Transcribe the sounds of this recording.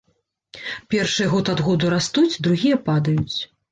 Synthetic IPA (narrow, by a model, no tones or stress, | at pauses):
pʲɛrʂɨjɛɣɔt̪ad̪ɣɔd̪uɾast̪ut͡sʲd̪ɾuɣʲijɐpad̪ɐjut͡sʲ